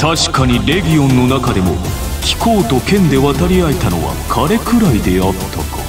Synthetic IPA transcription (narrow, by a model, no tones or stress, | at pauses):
t̪aɕi̥kaɲ̟iɾe̞ɡʲijõ̞nːo̞nakad̪e̞mo̞̰ | kʲi̥ko̞ːt̪o̞kẽ̞nd̪e̞βat̪aɾʲiaet̪ano̞̰βa̰kʰaɾe̞kɯ̟ɾaid̪e̞at̪ʰːakḁ̰